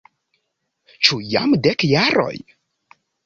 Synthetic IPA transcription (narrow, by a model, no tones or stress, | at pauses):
t͡ʃuja̰mdekjaɾo̰j